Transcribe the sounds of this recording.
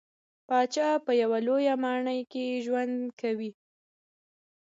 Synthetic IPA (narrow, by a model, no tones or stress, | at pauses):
pɑt͡ʃɑpəjawalojamɑɳəjkeʒwand̪kawi